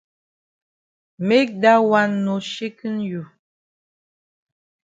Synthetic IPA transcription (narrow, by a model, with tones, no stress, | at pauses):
me˦k̚da˦wa˦˨nːo˨ʃe˦kɨ˦nju˨